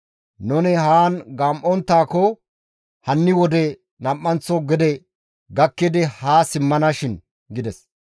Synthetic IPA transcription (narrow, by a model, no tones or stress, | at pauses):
nʊnɛhaːnɡaːmʔɔnt̪ːaːkɔ | hɐnːɪwɔd̪ɛ | nɐmʔːɐnt͡sːɔɡɛd̪ɛ | ɡɐkːɪd̪ɪhaːsɪmːɐnɐʃɪn | ɡɪd̪ɛs